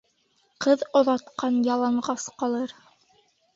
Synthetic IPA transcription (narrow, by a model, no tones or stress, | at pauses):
qɤðŏðɑt̪qɑnjɑlˠɑɴʁɑsqɑlˠɤɾ